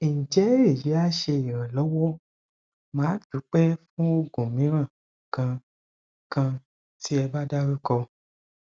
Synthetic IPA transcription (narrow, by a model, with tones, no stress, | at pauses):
i˨ñ̩˨d͡ʒɛ˨˦e˦˨ji˨˦a˦ʃe˧i˨ɾ̃ã˨lɔ˨˦wɔ˦ | mãː˨˦tu˨˦k͡pɛ˦fũ˦o˧ɡũ˨mĩ˨˦ɾ̃ã˦˨ | kã˧ | kã˧ | ti˦ɛ˧ba˦da˦ɾi˦kɔ˧